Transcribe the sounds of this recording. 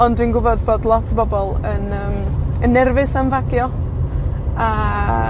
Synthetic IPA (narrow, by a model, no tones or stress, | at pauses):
ɔndwiːnɡʊbɔdboːdlˠɔtʰəbɔbɔlˠənəːmənːɛrvɨsanvaɡjɔ | a